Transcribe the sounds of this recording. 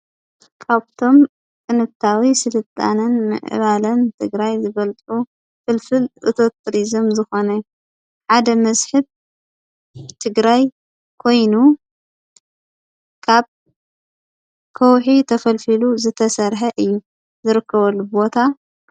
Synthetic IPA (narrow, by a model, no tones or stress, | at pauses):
kʰaβt̪ʰo̞m | kʼɨnɨβt̪ʰawisɨlɨt̪ʼa̰nɨnmɨ̰ʕʔɨ̰βalɐnt̪ʰɨɡɾajzɨbɐlt̪ʼu | fɨlfɨlʔɨ̰t̪ʰo̞t̪ɾizɨmzɨxo̞nɐ | ħad̪ɐmɐsħɨb̚ | t̪ʰɨɡɾaj | kʰo̞jnu | kʰaβ | kʰɐwħit̪ʰɐfɐlfiluzɨt̪ʰɐsɐɾħɐʔɨjːu | zɨɾɨkʰːɐβɐlːubo̞t̪ʰa